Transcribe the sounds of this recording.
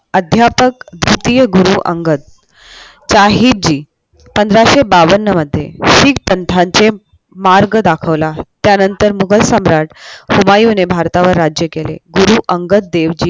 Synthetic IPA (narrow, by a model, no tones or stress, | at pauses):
əd̪ʱjapəkd̪ɾut̪ijəɡuɾuʔə̰ŋɡət̪̚ | t͡ɕaɦit̪̚d͡ʑiː | pənd̪ɾaɕebaʋənːəməd̪ʱːjḛɕiːk̚pənt̪ʰaɲt͡se | maɾɡd̪akʰəʋlat̪janənt̪əɾmuɡʱəlsəmɾaʈhumajunebʱaɾt̪aʋəɾːad͡ʑjəkelḛɡuɾuʔəŋɡət̪̚d̪eʋd͡ʑiː